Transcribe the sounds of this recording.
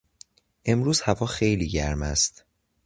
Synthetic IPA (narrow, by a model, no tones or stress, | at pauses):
ʔe̞mɾuːz̥hævɒːxe̞jliːɟæɾmæ̰st̪